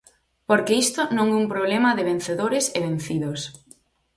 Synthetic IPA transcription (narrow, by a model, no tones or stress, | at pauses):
poɾkeist̪ʊnõŋɛumpɾoβlemɐðɪβ̞en̟θeðoɾɪseβen̟θiðos